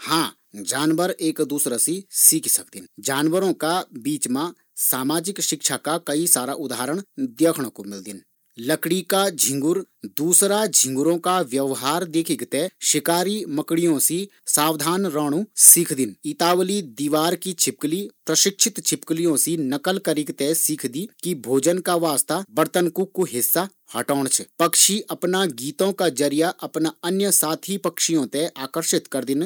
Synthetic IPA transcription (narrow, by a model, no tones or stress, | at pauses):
hãː | d͡ʒaːnʋəɾeːkd̪uːsɾasisiːkʰsɐkd̪ɪnd͡ʒaːnʋəɾõkabiːt͡ʃmã | saːmaːd͡ʒɪkʃɪkʃakakɐisaːɾaʔʊd̪aːɾəɽ̃d̪jeːkʰɽ̃õkomɪld̪ɪn | lɐkɽikad͡ʒʱɪ̃ŋɡʊɾd̪uːsɾad͡ʒʱɪ̃ŋɡʊɾõkaʋjɐʋɦaːɾd̪eːkʰiɡt̪eʃɪkaːɾimɐkɽijõsi | saːwd̪ʱaːnɾaːɽ̃usiːkʰd̪ɪnit̪aːʋlid̪iːʋaːɾkit͡ʃʰɪp̚klipɾəʃɪkʃʰɪt̪t͡ʃʰɪpklijõsinɐkəlkəɾɪkt̪ɛsiːkʰd̪ikibʱoːd͡ʒənkaʋaːst̪abəɾt̪ənkukːuɦɪsːa | hɐʈɔːɳ̃t͡ʃʰpɐkʃiʔɐpnaɡiːt̪õkad͡ʒəɾijaʔɐpnaɐnjəsaːt̪ʰipəkʃijõt̪eʔaːkəɾʃɪt̪kəɾd̪ɪn